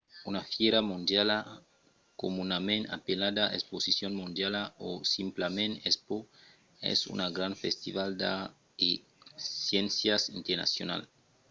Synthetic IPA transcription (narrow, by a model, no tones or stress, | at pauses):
unafjeɾamũnd̪jala | komunamẽna̰pelad̪aʔesposisjonmũnd̪jalaosimplamẽnespo | ḛsṵnaɡɾanfest̪iβald̪a | e | sjensjasint̪eɾna̰sjo̰na̰l